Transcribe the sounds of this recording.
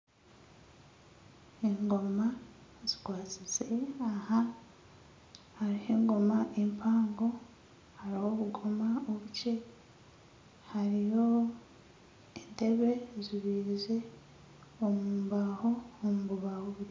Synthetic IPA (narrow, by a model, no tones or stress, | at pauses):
eŋɡo̞ma | z̥i̥kwaːt͡size̞aha | haɾiheːŋɡo̞maʔempʰaːŋɡo̞ | haɾiwoβuɡo̞maoβuce̞ | haɾijo̞ | ende̞βe̞ziβiːze̞ | omuːmbaho̞omuβuβaβuβu